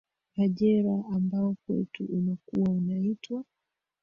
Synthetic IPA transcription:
kaʄɛɾaːmbaɔkwɛ̰tuʔunakuwaunaitwa

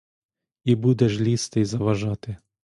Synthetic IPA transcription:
ibud̪ɛʃlʲist̪ɪjzɐʋɐʒɑt̪ɪ

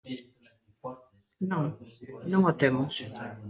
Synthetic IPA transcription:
nɔŋnɔŋɔtɛmɔ

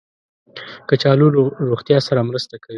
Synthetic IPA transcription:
kət͡ʃɑluɾoɣt̪jɑsaɾamɾəst̪akʰawi

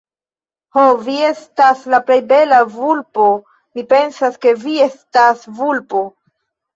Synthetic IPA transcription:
hovie̞staslaple̞jbe̞lavulpo̞ | mipe̞nsaske̞vie̞stasvulpo̞

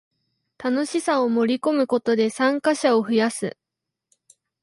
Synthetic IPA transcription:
t̪ano̞ɕisao̞mo̞ɾʲiko̞mɯ̟ko̞t̪o̞d̪e̞sãŋkaɕao̞ɸɯ̟jasɨ̰

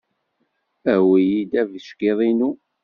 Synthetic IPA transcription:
æwijid̪ævəʃkeðˤinu

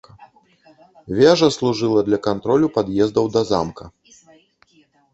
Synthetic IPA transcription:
vʲaʐɐslˠuʐɨlˠɐd̪lʲɐkant̪ɾɔlʲupad̪jɛzd̪ɐwd̪ɐza̰mkɐ

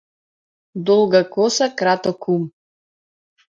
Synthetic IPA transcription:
d̪ɔlˠɡakɔsakɾat̪ɔkʰum

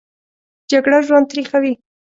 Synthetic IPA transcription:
d͡ʒaɡɽaʒwand̪̚t̪ɾixawi

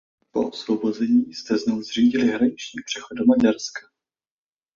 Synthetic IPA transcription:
po̞ʔosvobo̞zɛɲiːst̪ɛznowzr̝iːɟɪlɪɦɾaɲɪt͡ʃɲiːpr̝̥ɛxodomaɟaɾskḁ

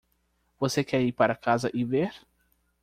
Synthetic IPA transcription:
vosekɛɾiɾpaɾɐkazɐʔɪveɾ

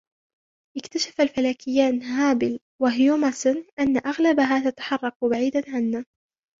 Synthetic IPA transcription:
ʔɪkt̪aʃḁfalfalaːkɪjːaːnɦaːbɪl | waɦjuːmasʊnʔanːaʔaɣlabaɦaːt̪at̪ḁħɑrˤːɑq̚baʕiːd̪anʕanːaː

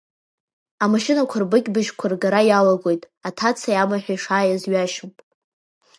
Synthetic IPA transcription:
amaʃɪnakʷʰarbɨkʲʼbɨʒkʷʰarɡaɾajalaɡʷo̞jtʼ | atʰat͡sʰajamaħᶣajʂaːjazɥaʃɨmpʼ

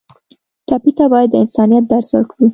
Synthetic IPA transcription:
ʈɑpit̪abɑjad̪ːəɪnsɑnijat̪̚d̪aɾswə̰ɾkawi

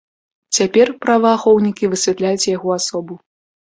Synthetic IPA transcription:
t͡sʲapʲɛrpɾɐvaːxɔwnʲikʲivɨsʲvʲɛt̪lʲajut͡sʲjaɣɔasɔbu

